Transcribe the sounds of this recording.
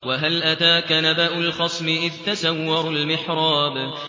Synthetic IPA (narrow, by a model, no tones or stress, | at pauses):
waɦalʔat̪aːkanabaʔʊlxɑsˤmɪʔɪðt̪asawːɑɾˤʊlmɪħɾˤɑːb